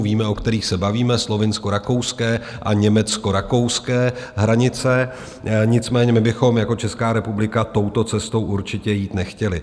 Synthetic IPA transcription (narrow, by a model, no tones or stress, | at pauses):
viːmɛʔo̞kt̪ɛɾiːxsɛbaviːmɛslo̞vɪnsko̞ɾakowskɛːʔaɲɛmɛt͡sko̞ɾako̞wskɛːɦɾaɲɪt͡sɛ | ɲɪt͡smɛːɲɛmɪbɪxo̞mjako̞t͡ʃɛskaːɾɛpublɪkat̪o̞wt̪o̞t͡sɛst̪o̞wʔuɾt͡ʃɪcɛjiːt̪nɛxcɛlɪ